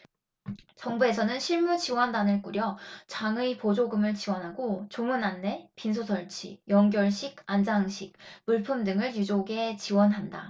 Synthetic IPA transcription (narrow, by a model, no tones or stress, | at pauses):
t͡ɕʌŋbue̞sʰʌnɯnɕʰiɭmut͡ɕiwʌndanɯɭk͈uɾjʌt͡ɕaŋɯipod͡ʑoɡɯmɯɭt͡ɕiwʌnɦaɡot͡ɕomunanːe̞pins̬ʰosʰʌɭt͡ɕʰḭjʌŋɡjʌɭɕʰiɡand͡ʑaŋɕʰik̚muɭpʰɯmdɯŋɯɭjud͡ʑoɡe̞t͡ɕiwʌnɦanda̰